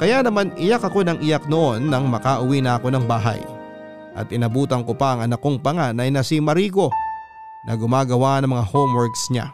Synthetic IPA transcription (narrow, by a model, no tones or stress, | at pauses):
kɐjanɐmanɪjakɐko̞nɐŋɪjak̚noʔo̞nːɐŋmɐkaʔʊwinɐʔɐko̞nɐŋbaːɦɐ̰j | ʔɐ̰t̪̚ʔɪnɐbuːt̪ɐŋko̞paʔɐŋʔɐnɐko̞ŋpɐŋanɐjnɐsimɐɾiːɡo̞ | nʔɐɡʊmaːɡɐwaːʔɐnɐŋmɐŋahomwɛɹksɲa̰